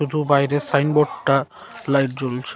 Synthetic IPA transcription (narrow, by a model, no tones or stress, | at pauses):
ud̪ʱubajɾesajnbɔʈːa | lajʈ̚d͡ʑolt͡ɕʰe